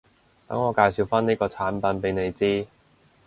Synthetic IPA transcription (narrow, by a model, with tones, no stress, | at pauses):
k̪ɐ̰˨˥ŋɔː˨˧kaː˧jsi˨˧wfaː˥niː˥kɔː˧t͡sʰaː˨˥npɐ˨˥npe˨˥jne˨˧jt͡siː˥